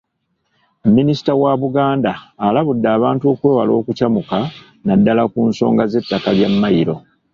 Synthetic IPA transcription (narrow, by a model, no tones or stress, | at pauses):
mːinisi̥tawaβuɡaːndaːlaβudːaːβaːntuo̞ːkwe̞ːwalo̞ːkucamuka | nadːalakunso̞ːŋɡaze̞tːakaljamːajiɾo̞